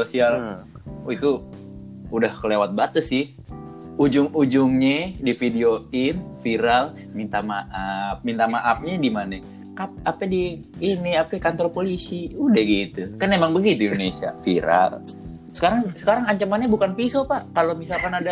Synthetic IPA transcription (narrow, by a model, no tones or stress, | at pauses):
osial | it̪u | udahkəlewat̪̚bat̪əsɪ | ud͡ʒʊŋud͡ʒʊŋɲɛdifideoɪnfiɾal | mint̪amaʔap̚mint̪amaʔap̚ɲadimanɛ | apapɛdiː | niapɛkant̪ɔɾpolisiudahɡit̪ukanemaŋbəɡit̪uindonesia̰fḭɾa̰l | sə̥kaɾaŋsə̥kaɾaŋaɲt͡ʃamanɲabukanfisopakalomisalkanada